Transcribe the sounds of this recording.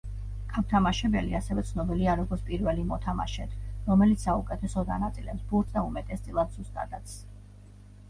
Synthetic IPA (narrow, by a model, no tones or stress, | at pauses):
kʰamt̪ʰamaʃɛbɛliasɛvɛt̪sʰnɔbiliaɾɔɡɔɾt̪sʰpʼiɾvɛlimɔt̪ʰama̰ʃɛt̪ʰɾɔmɛlit̪ssaukʼɛt̪ʰɛsɔd̪a̰nat̪sʼilɛpsbult̪ʰd̪aumɛt̪ʼɛsd̪sʼilˠad̪z̥ust̪ʼa̰d̪at̪sʰ